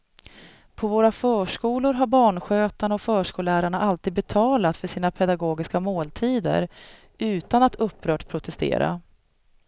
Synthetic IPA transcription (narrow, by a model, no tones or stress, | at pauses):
pʰɔvoːɾafœːʂkuːlʊɾɦaɾbɑːɳɧøːt̪aɳɔfœːʂkuːlæːɾaɳaʔalt̪ʰiːd̪̚bɛt̪ʰɑːlat̪fœʂiːnapʰɛd̪aɡoːɡɪskamoːlt̪ʰiːd̪ə̰ɾ | ʉ̟ːt̪anat̪ɵpʰːɾœːʈpʰːɾʊt̪ʰɛst̪ḛːɾa̰